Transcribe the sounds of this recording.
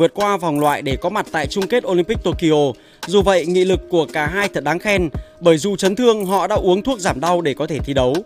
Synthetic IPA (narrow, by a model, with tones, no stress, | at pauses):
ɨ˨˩ət̚kwaː˧va˨˩wŋ͡mlwa̰ː˧˨jɗe˧˩kɔ˨˦ma˨˩t̚t̪a̰ː˧˨jt͡ɕʊ˧ŋ͡mke˦˥t̚ʔo˧li˧mpi˦˥k̟̚t̪o˧ki˧ʔo˧ | zu˨˩və̰˧˨jŋḭ˧˨lɨ˨˩kːu˧˩əkaː˧˩ɦaː˧jt̪ʰə˨˩t̚ɗaː˨˦ŋxɛ˧nɓəː˧˩jzu˨˩t͡ɕə˨˦nt̪ʰɨ˧əŋɦɔ̰˧˨ɗa̰ː˧˥ʔu˨˦əŋt̪ʰu˦˥ək̚zaː˧˩mɗa˧wɗe˧˩kɔ˨˦t̪ʰe˧˩t̪ʰi˧ɗə˨˦w